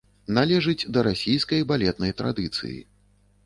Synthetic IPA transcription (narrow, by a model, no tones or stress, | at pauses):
nalʲɛʐɨd͡zʲd̪ɐɾasʲijskɐjbalʲɛt̪̚nɐjt̪ɾa̰d̪ɨt̪sɨ̰jḭ